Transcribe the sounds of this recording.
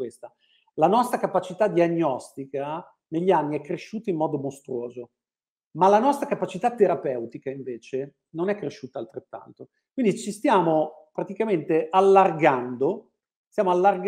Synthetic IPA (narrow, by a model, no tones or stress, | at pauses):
west̪a | lanɔst̪ɾakapat͡ʃit̪ad̪ːiaɲːɔst̪ika | neʎːianːiɛkːɾeʃːuːt̪aimːɔːd̪omost̪ɾuoːzo | malanɔst̪ɾakapːat͡ʃit̪at̪ːeɾapɛwt̪ikaiɱveːt͡ʃe | nonɛkːɾeʃːuːt̪alt̪ɾet̪ːa̰nt̪o | kwind̪it͡ʃist̪jaːmo | pɾat̪ikament̪eʔalːarɡand̪o | st̪jaːmoalːarɡ